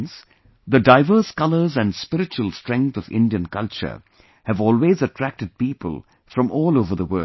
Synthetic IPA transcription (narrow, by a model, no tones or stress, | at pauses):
ns | ðədaɪvəːskʌləzɨ̃nɖspɪɾɨt͡ʃuəlˠstɹɛ̃ŋk̚θʌvɪ̰̃nɖiɨ̃nkʌlt͡ʃə̰˞ | hɨvɔːlweːzəʈʰɾæk̚ʈɨd̚piːpə̰lˠ | fɾʌ̃mʔɔːloʊvə˞ðəwɜ